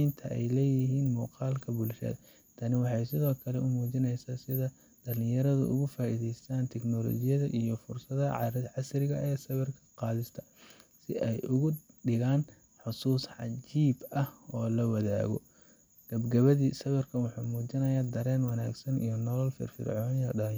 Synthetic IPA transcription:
jnt̪ʰɐʔɛjlɛːjɪɦiːnmuːqɑːlkʰɐbʊlʃɐ̰ðɐ̰ | t̪ʰɐnɪwɑħɑjsɪðɔːkʰɐlɛʊmuːt͡ʃɪnɛjsaːsɪðɐ | d̪̥ɐlɪjɐɾɐðʊ̰ʔʊ̰ɣʊfaːʔiːðɛjst̪ʰaːnt̪ʰɛknɔlɔ̰ːt͡ʃɪjɐðɐʔijɔfʊrsɐðɐʕɑsɾɪɣɐʔɛːsɐβɛrkʰɐ̥qɑːðɪst̪ʰɐ̥ | sɪ̰ʔɛjʔʊɣʊɖɪɣaːn | ħʊsuːsħɑ̰t͡ʃiːbɐhɔːlɐwɐða̰ːɣɔ̰ | ɡ̥ɐbɡɐβɐðiːsɐβɐrkʰɐnwɑħuːmuːt͡ʃɪnɐjaːd̪ɐɾɛːnwɑnaːɡsɐnḭjɔnɔlɔlfɪ̰rfɪ̰rʕɔːnjɐɖɐlɪ

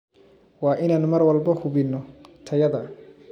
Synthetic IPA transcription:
wɑːʔɪnaːnmɐrwɐlbɐhʊβɪnːɔt̪ʰɐjɐðɐ

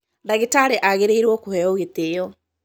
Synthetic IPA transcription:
daɣitaɾeʔaɣeɾeiɾwɔkohɛɔɣetejɔ

